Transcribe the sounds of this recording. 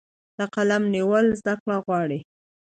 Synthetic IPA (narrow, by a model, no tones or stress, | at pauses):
d̪̥əqalamniwəlzd̪akɽaɣwɑɽi